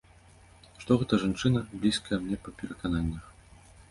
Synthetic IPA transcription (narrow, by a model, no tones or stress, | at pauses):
ʂt̪ɔɣɛt̪ɐʐant͡ʂɨnɐblʲiskɐjɛmnʲɛpɐpʲɛɾɐkananʲːɐx